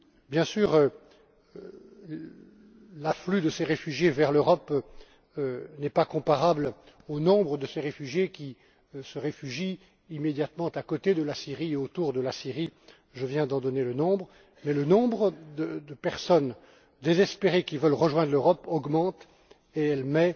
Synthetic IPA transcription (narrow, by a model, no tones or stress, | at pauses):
bjɛ̃syːʁø | laflyd̪əseʁefyʒjevɛʁløʁɔp | ønɛpakɔ̃paʁabl | onɔ̃bʁəd̪əseʁefyʒjekʲi | səʁefyʒiː | med̪jat̪mɑ̃t̪akɔt̪ed̪əlasiʁieot̪uʁd̪əlasiʁi | ʒəvjɛ̃d̪ɑ̃d̪ɔnelənɔ̃bʁ | mɛlənɔ̃bʁəd̪əd̪əpɛʁsɔn | d̪ezɛspeʁekʲivœlʁəʒwɛ̃d̪ʁløʁɔpɔɡmɑ̃t̪ | eɛlmɛ